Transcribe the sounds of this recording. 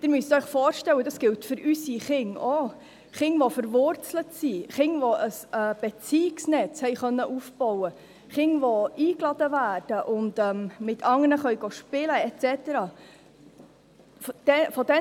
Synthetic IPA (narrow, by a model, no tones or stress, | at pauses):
d̥ɪɾmyəst̪œɥχfɔːɾʃtɛwədɑsɡ̥ɪltfʏɾʔysiχɪŋo | χɪŋʋɔfəɾvʊɾt͡slətsiχɪŋʋɔʔəsɛːb̥ɛt͡siksnɛt͡shɛɪχœnːəʔufb̥ɔwə | χɪŋʋɔiːklɑd̥əvæːrd̥əʔʊndɛːmmɪtʰɑŋənəχœɥɡoʃpɪləɛt͡sɛtəɾɑː | d̥ɛfɔdɛ